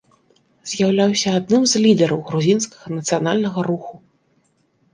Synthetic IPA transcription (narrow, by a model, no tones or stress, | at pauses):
z̥ʲjawlʲawsʲɐad̪̚nɨmzʲlʲid̪ɛɾɐwɣɾuzʲinskɐɣɐnɐt̪sɨjanalʲnɐɣɐɾuxu